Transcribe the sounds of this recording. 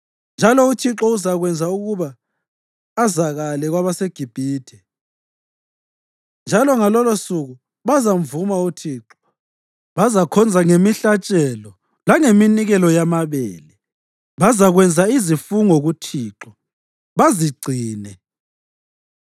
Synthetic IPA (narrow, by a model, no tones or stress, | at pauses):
nd͡ʒʱalɔutʰiǁɔuzaɣwɛnd͡zʱauɣuβaː | zaɣalɛɣwaβaseɡ̥ʱib̥ʱiːtʰɛ | nd͡ʒʱalɔŋalɔlosuɣu | βazamvumautʰiːǁɔ̥ | βazakʰɔnd͡zʱaŋemiɬat͡ʃʼɛlɔ | laŋeminiɣɛlɔjamaβɛ̰ːlɛ | βazaɣwɛnd͡zʱaizifuŋoɣutʰiːǁɔ | βaziɡ͡ǀʱiːnɛ